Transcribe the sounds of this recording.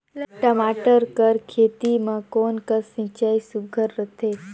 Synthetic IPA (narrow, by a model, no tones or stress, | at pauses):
ʈəmaʈəɾkəɾkʰet̪imãkonkəsə̃t͡ʃaisuɡʱəɾːət̪ʰe